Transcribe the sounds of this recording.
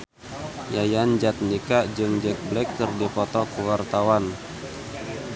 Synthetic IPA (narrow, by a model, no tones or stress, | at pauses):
jajand͡ʒat̪̚nikad͡ʒɨŋd͡ʒɛk̚blɛkːɨrdipɔt̪ɔkəwart̪awan